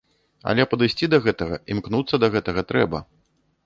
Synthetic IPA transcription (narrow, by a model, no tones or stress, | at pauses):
ɐ̰lʲɛpɐd̪ɨjsʲt͡sʲid̪ɐɣɛt̪ɐɣɐimknut̪sːɐd̪ɐɣɛt̪ɐɣɐt̪ɾɛbɐ